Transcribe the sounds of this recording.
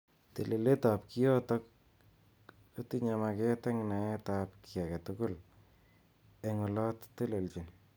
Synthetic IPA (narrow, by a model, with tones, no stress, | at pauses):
te˨le˨le˦ta˨pki˦jɔ˦tɔ˦k̚ | o˦tiɲama˧ke˦tɛ˦ŋna˨e˦tap̚kia˨ka˨tʊkʊ˦l | eŋɔ˨lɔ˦tte˦le˨lt͡ʃi˨n